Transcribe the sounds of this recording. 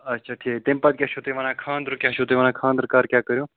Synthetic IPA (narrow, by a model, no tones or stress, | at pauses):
ɐtːʃʰaːʈʰiːt̪empad̪̚kʲɛt͡ʃʰot̪eʋanãːkʰãːnd̪ɾokʲjat͡ʃʰoːt̪eʋaːnãːkʰãːnd̪əɾkaːɾkʲjaːkəɾjõː